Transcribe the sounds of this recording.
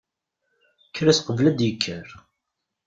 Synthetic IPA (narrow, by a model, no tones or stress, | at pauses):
kːɾæsqəvlæd̪jəkʰːəɾ